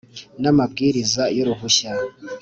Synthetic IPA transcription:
namabɡiːɾizajoɾuɦuɕa

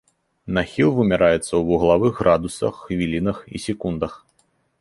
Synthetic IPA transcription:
naxʲilˠvɨmʲaɾajɛt̪sːɐwvuɣlˠavɨɣɣrad̪usɐ̰xːvʲilʲinɐxḭsʲɛkund̪ɐx

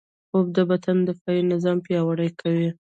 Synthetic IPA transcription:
ob̚d̪əbat̪and̪əfɑjinɪzɑmpjɑwaɽəjkʰawi

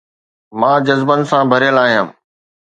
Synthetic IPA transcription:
mãːd͡ʑɐzbənɪ̆sãbʱɐɾjəlaːɦijãː

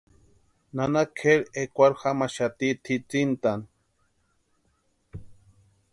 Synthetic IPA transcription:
nanakʰeɾekʷaɾxamaʃat̪it̪ʰit͡sint̪an

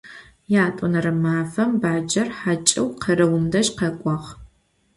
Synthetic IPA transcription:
jaːtʷʼɔnɐɾɨmaːfɐmbaːd͡ʒɐrħat͡ʃʼɪwqʰɐɾɐwʊmdɐɕqɐkʷʼɔʁ

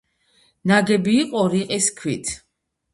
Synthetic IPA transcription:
naɡɛbiːqʼɔɾiqʼiskʰwit̪ʰ

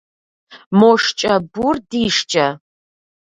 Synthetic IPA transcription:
moːʂt͡ʃʼɐburdiːʂt͡ʃʼɐ

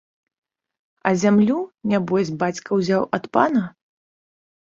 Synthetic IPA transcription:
ɐzʲamlʲunʲabɔzʲbat͡sʲkɐwzʲawʔɐt̪pa̰nɐ

